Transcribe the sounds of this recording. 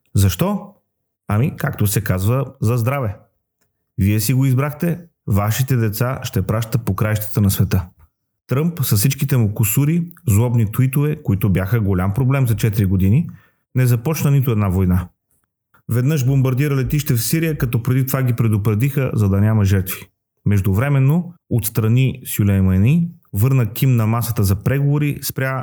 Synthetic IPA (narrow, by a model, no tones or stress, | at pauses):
zɐʃt̪ɔ | ɐmikak̚t̪osɛkazvəzɐzd̪ɾavɛ | viɛsiɡoizbɾaxt̪ɛ | vaʃit̪ɛd̪ɛt̪saʃt̪ɛpɾaʃt̪əpokɾajʃt̪ə̥t̪ənɐsvɛt̪ɤ | t̪ɾɤmpsɐssit͡ʃkit̪ɛmukʊsuɾizlˠɔbnit̪uit̪ovɛkoit̪obʲjaxəɡolʲampɾoblɛmzɐt͡ʃɛt̪iɾiɡod̪ini | nɛzɐpɔt͡ʃnənit̪ʊɛd̪navojna | vɛd̪nɤʃbombɐɾd̪iɾəlɛt̪iʃt̪ɛfsiɾijəkɐt̪ɔpɾɛd̪it̪ovaɡipɾɛd̪opɾɛd̪ixəzɐd̪ɐnʲamɐʒɛɾt̪vi̥ | mɛʒd̪ʊvɾɛmɛnːoot̪st̪ɾɐnisjulʲɛjmɐni | vɤɾnəkimnɐmasət̪əzɐpɾɛɡovoɾispɾʲja